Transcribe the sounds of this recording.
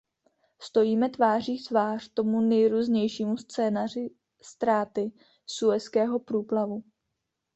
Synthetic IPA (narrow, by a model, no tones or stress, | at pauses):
st̪o̞jiːmɛt̪vaːr̝iːt̪vaːr̝̥t̪o̞munɛjɾuːzɲɛjʃiːmust͡sɛːnarɪ | st̪ɾaːt̪ɪ | suɛskɛːɦo̞pɾuːplavu